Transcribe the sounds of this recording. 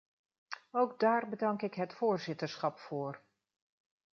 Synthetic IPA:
owɡdaːɹbədɑŋkɪkɦətfoːɹzɪtəɹsχɑpfoːr

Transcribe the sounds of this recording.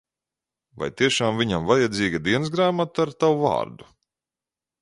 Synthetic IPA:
va̰jt̪iɛʃaːmvʲiɲamvajad̪ziːɡad̪iɛnsɡɾaːmat̪aɾt̪awuva̰ːɾd̪u̥

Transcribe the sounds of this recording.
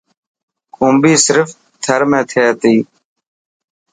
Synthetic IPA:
kʰũːmbiːsɪɾf | t̪ʰəɾmẽːt̪ʰeːt̪iː

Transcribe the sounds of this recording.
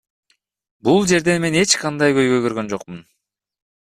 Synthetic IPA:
bulˠd͡ʒe̞ɾd̪e̞nme̞ne̞t͡ʃqɑnd̪ɑjkø̞jɡø̞jɡø̞ɾɡø̞nd͡ʒo̞qmun

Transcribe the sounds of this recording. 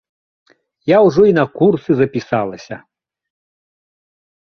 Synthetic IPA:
jawʐɔinɐkursɨzɐpʲisalˠɐsʲɐ

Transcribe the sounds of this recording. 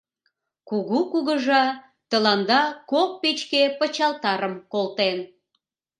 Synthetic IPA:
kuɣukuɣəʒɑ | t̪əlɑnd̪ɑkok̚pet͡ɕkepət͡ɕɑlt̪ɑɾəmkolt̪en

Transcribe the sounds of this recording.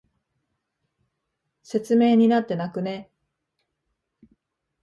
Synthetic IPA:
se̞t͡sɨme̞ːɲ̟inat̪ːe̞nakɯ̟ne

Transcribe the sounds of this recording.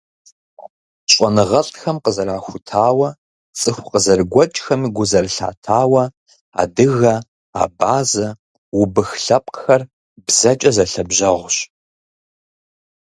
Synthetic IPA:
ɕʷʼɔnɨʁɐɬʼxɐmqəzɐɾaːxʷʊtʰaːwɐ | t͡sʼɨxʷqəzɐrɡʷɔt͡ʃʼxɐmiɡʷʊzɐrɬa̰ːtʰaːwɐ | a̰ːdɨɣɐ | a̰ːbaːzɐ | wʊbɨxɬɐpʼxɐr | bzɐt͡ʃʼɐzɐɬɐbʒɐʁʷʊɕ

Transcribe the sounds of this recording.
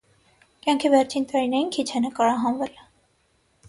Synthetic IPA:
kjɑŋkʰivɛɾt͡ʃʰint̪ɑɾinɛjinkʰit͡ʃʰɛnəkɑɾɑɦɑnvɛl

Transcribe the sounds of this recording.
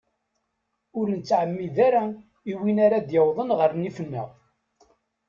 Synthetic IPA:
ʊɾnət͡sːʕəmːiðaɾa | iwinaɾad̪jəwðˤənʁəɾnifənːə̰ʁ

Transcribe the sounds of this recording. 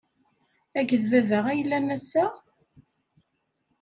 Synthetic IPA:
æʝəðvævəʁæjəlːænæsæ

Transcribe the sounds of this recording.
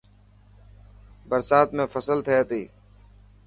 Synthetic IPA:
bəɾsaːt̪mẽːfəsəlt̪ʰəeːt̪iː

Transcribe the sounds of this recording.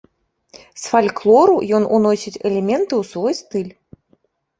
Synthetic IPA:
sfalʲklˠɔɾujɔnunɔsʲit͡sʲɛlʲɛmʲɛnt̪ɨwsvɔjst̪ɨlʲ

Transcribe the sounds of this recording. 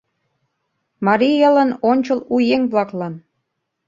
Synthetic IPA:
mɑɾiələ̆nonʲt͡ɕəlujeŋβlɑklɑn

